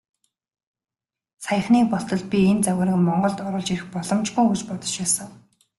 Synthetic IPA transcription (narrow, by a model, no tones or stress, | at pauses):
sajə̆xniːk̚pɔɬt̪ɞ̆ɮ̚pʲient͡sawʲʊːɾə̆kmɔɴɢɞ̆ɮt̪ɔɾɞ̆ɮt͡ɕiɾɘ̆xpɔɮɞ̆mt͡ɕɡujut͡ɕpɔt̪ɞ̥̆t͡ɕpæːsə̆ŋ